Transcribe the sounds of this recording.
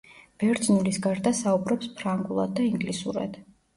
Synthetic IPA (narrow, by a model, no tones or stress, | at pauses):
b̥ɛɾd̪znulisɡaɾd̪asaubɾɔpspʰɾaŋɡulˠad̪ːaiŋɡlisṵɾa̰d̪̥